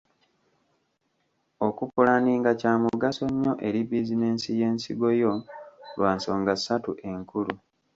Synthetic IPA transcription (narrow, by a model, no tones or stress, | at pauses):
okupulaniːŋɡacaːmuɡaso̞ɲːo̞ʔe̞ɾibizine̞ːnsije̞ːnsiɡo̞jo̞lwaːnso̞ːŋɡasːatuʔe̞ŋkulu